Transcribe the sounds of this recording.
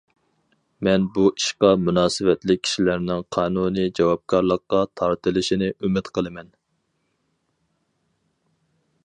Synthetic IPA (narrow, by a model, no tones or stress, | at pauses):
mɛnbuʔiʃqɑmunɑːsɨwɛt̪lɪk̚ʲʰːi̥ʃilæɾnɪŋqʰɑːnunid͡ʒɑwɑp̚kʰɑɾlˠəqːɑt̪ʰɑɾt̪ɨlˠɨʃinɪʔymɪt̪qʰəlˠɨmɛn